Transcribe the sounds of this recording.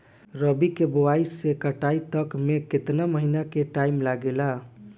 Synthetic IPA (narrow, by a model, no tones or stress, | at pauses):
ɾəbikebowaisekəʈait̪əkmeket̪naməɦinakeʈaimlaɡela